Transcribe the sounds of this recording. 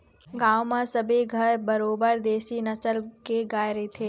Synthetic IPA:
ɡaːwmãsɐbʱiɡʱəɾbɐɾoːbəɾd̪eːsinɐsəlkeɡaːjɾəit̪ʰeː

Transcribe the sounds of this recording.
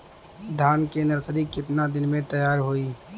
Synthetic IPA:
d̪ʱaːnkenɐɾsɾikɪt̪nad̪ɪnmẽt̪ɐjaːɾɦoiː

